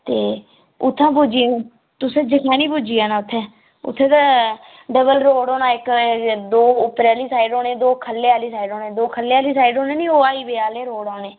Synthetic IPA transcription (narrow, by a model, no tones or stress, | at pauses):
t̪eː | ʊt̪ʰːãːpud͡ʒiːnũː | t̪ʊsẽːd͡ʒəkʰãːniːpuːd͡ʒiːaːnaːʊt̪ʰːẽː | ʊ̰t̪ʰːẽːt̪aː | ɖəbəlɾoːɽoːnãːɪkd̪oːʊpɾaːliːsaːiɖoːneːd̪oːkʰəlːeːaːliːsaːiɖoːneːd̪oːkʰəleːaːliːsaːiɖoːneːnĩːoːaːiːbeːaːleːɾoːɽaːneː